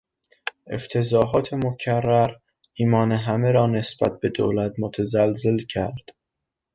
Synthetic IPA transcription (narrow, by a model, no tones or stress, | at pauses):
ʔḛft̪ʰe̞zɒːɦɒːt̪ʰe̞mocʰærːæɾ | iːmɒːneɦæmeɾɒːne̞sb̥æ̰t̪̚be̞d̪o̰ːlæt̪mot̪ʰæzælze̞lcʰæɾd̪̥